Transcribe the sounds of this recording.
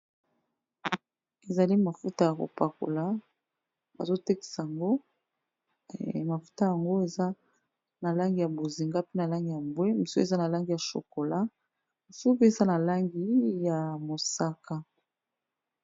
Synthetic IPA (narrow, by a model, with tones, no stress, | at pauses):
e˨za˨li˦ma˨fu˦ta˦ja˨ko̰˨pa˨ko̰˨la˦ | ba̰˨zo˦te˦ki̥˨sa˨ja˨ŋɡo˦ | ma˨fu̥˦ta˦ja˨ŋɡo˦e˨za˦ | na˨la˦ŋɡi˨ja˨bo˨zi˨ŋɡa˦pe˦na˨la˦ŋɡi˨ja˨mbwe˦mi˨so˦e˨za˦na˨la˦ŋɡi˨ja˨ʃo̰˨ko˨la˦ | mi˨so˦pe˦e˨za˦na˨la˦ŋɡi˦ja˨mo˨sa˦ka˦